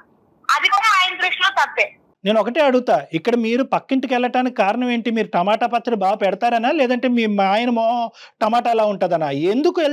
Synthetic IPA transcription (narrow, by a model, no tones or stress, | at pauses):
ɐd̪ikonɐaːjɐnt̪ɾikʂloːt̪ɐpːe | ne̞ːnɔkɐʈeːɐɽuɡut̪aːikːɐɽɐmiːɾupɐkːiɳʈukɛɭːɐʈaːnikikaːɾɐnɐme̞ːɳʈimiːɾuʈɐmaːʈaːpɐt͡ʃ̪ːɐlibaːɡɐpɛɽɐt̪aːɾɐnaːlɛːd̪ɐɳʈe̞ːmiːmaːjɐnɐmoːʈɐmaːʈaːlaːuɳʈaːd̪ɐnaend̪ukuel